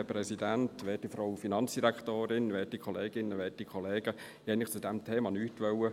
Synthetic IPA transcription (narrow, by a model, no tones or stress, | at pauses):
əpɾɛsidæntʋɛːt̚ifɾɔwfinɑnt͡sd̥iɾæktoːɾɪnʋɛːtikʰχɔleːɡ̥ɪnːəʋɛːtikʰɔleːɡ̥ə | hɛnɪχt͡sudɛmtʰeːmɑnyːtʋœwə